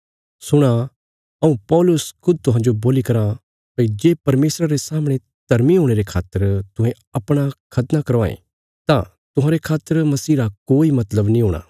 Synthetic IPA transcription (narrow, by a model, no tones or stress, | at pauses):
sʊɽ̃a | ɐũpɔːlʊskʰʊd̪̚ʱt̪ʊɦãːd͡ʒoboːlikɐɾã | pɐid͡ʒeːpɐɾmeːsɾaɾesaːmɽ̃e | t̪ɐɾmiɦoːɽ̃eɾekʰaːt̪ːəɾt̪ʊɦẽ | ɐpɽ̃akʰɐt̪nakɐɾʋaːḛ̃ | t̪ã | t̪ʊɦãːɾekʰaːt̪ːəɾmɐsiːɾakoːimɐt̪ləbnĩɦoːɽ̃a̰ː